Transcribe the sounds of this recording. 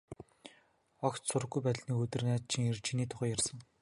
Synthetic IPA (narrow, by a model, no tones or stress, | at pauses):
ɔkt̪sʊrə̆ɣːujpæt̪̆ʲɮniːkɵt̪ɘ̆rnæːt̪̚t͡ɕʰĭŋert͡ɕʰiniːt̪ʰʊχœːjarsə̆ŋ